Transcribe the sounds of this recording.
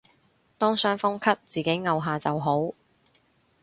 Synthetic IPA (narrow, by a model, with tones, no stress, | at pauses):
t̪ɔː˥ŋsœː˥ŋfʊ˥ŋkʰɐ˥t̚t͡siː˨˩ke˨˥jŋɐ˨wɦaː˨t͡sɐ˨wɦo˨˥w